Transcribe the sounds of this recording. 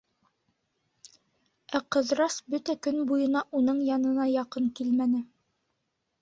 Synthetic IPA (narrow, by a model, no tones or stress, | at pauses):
æqɤ̆ðɾɑsbɵt̪ækɵnbujɤ̆nɑʔunɤɴjɑnɤ̆nɑjɑqɤɴkilmænɘ